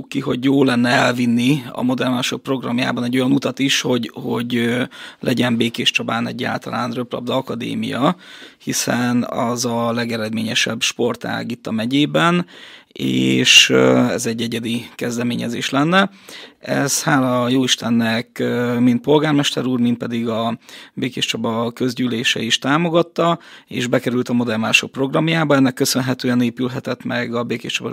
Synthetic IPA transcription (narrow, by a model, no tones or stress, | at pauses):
kːiɦo̞ɟjoːlːɛnːɛɛlvinːiɒ̰mo̞d̪ɛrmaːʃo̞k̚pro̞ɡrɒmja̰ːbɒnɛɟːo̞jɒnut̪ɒt̪iʃho̞ɟho̞ɟ | lʔɛ̰ɟɛmbeːkeːʃt͡ʃɒbaːnɛ̰ɟːa̰ːlt̪ɒlaːnrø̞plɒ̰b̚d̪ɒkɒd̪ḛːmḭjɒhisɛnɒzɒlɛɡɛɾɛd̪meːɲɛʃɛbʃpo̞rt̪a̰ːɡit̪ːɒmɛɟeːbɛnḛːʃɛ̰zɛɟːɛɟːɛd̪ikɛzd̪ɛmeːɲɛ̰zḛːʃlɛnːɛ | ɛ̰z̥haːlɒjoːiʃt̪ɛnːɛkːmint̪̚po̞lɡaːrmɛʃt̪ɛɾuːrmint̪̚pɛd̪iɡɒbeːkeːʃt͡ʃɒbɒkø̞zɟyːleːʃɛ̰iʃt̪aːmo̞ɡɒt̪ːɒḛːʒbɛkɛɾylt̪ɒmo̞d̪ɛrmaːʃo̞̰k̚pro̞ɡrɒmjaːbɒɛnːɛkːø̞sø̞nɦɛt̪øːɛneːpylɦɛt̪ɛt̪mɛɡɒbeːkeːʃt͡ʃɒbɒ